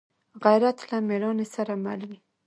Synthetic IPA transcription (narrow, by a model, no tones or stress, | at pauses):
ɣajɾat̪lameɾɑnesaɾama̰lumi